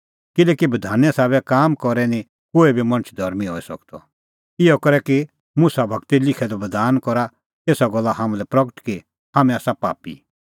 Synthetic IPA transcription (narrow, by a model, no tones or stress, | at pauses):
kɪlɛːkibɐd̪ʱaːnɛ̃saːβɛkaːmkɔɾɛnĩ | koːɛbʱimɐ̃ñt͡ʃʰd̪ʱɐɾmiɦɔːɛsɐ̰kt̪ɔ̰ | ɪɔkɔɾɛki | musabʱɐkt̪ilɪkʰɛd̪ɔbɐd̪ʱaːnkɔɾa | eːsaɡɔlːaɦamãlɛpɾɐkəʈki | hamɛ̃aːsapa̰ːpḭ